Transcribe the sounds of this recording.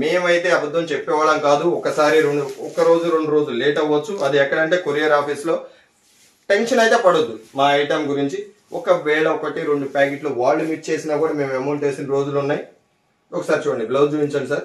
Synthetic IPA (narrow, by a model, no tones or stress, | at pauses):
me̞ːmɐjt̪e̞ːɐbɐd̪ːɐmt͡ʃepːɛːʋaːɭɐmkaːd̪uɔkɐsaːɾiɾoɳɖuɔkɐɾo̞ːd͡ʒuɾo̞ɳɖuɾo̞ːd͡ʒululeːʈɐʋːɐt͡ʃːuɐd̪iɛkːɐɽɐɳʈe̞ːkoɾijɐɾaːpiːslo̞ː | ʈe̞nʃɐnɐjt̪e̞ːpɐɽod̪ːumaːɐjʈɐmɡuɾiɲt͡ʃi | ɔkɐʋɛːɭɐɔkɐʈiɾe̞ɳɖupaːk̬eʈluʋaːɭːumiʈ̚t͡ʃe̞ːsinaːkuːɽɐmeːmemɐːɳt͡ʃe̞ːsiniɾo̞ːd͡ʒulunːaːji | ɔkɐsaːɾit͡ʃuːɽɐɳɖdiplɐd̪̚d͡ʒuːʋiɲt͡ʃɐːnisɐɾ